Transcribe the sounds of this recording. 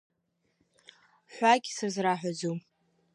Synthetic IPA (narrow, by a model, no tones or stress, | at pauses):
ħʷaɡʲsɨrzraħʷᶣazum